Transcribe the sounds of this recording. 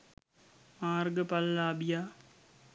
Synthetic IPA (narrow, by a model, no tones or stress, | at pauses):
maːɾɡəpɐlːaːbɪjaː